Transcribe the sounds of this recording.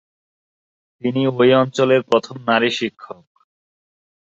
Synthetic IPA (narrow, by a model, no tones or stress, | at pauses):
t̪iniojɔnt͡ɕoleɾpɾot̪ʰomnaɾiʃikʰːok̚